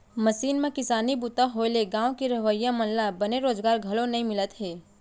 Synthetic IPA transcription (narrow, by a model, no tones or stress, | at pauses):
mɐsiːnmẽkɪsaːnibut̪aɦoːleɡãːõkiɾɐʋəjamɐnlabɐneɾoːzɡaːɾɡʱɐlonɐɦĩmɪlət̪ɦɛː